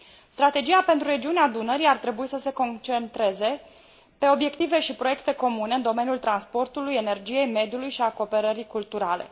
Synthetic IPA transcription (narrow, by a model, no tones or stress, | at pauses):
st̪ɾat̪e̞d͡ʒijape̞nt̪ɾuɾe̞d͡ʒiunead̪unəɾiart̪ɾe̞buisəse̞ko̞nt͡ʃent̪ɾe̞ze̞ | pe̞o̞bje̞kt̪ive̞ʃipɾo̞je̞kt̪e̞ko̞mune̞ɨnd̪o̞me̞njult̪ɾanspo̞rt̪uluje̞ne̞rd͡ʒije̞jme̞d̪julujʃiako̞pe̞ɾəɾikult̪uɾale̞̰